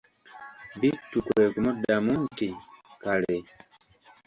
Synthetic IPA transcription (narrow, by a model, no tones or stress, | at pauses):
bitːukwekumudamuntikale